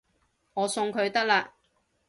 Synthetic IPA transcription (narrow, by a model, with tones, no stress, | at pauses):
ŋɔː˨˧sʊ˧ŋkʰɵ˨˧ɥt̪ɐ˥k̚laː˧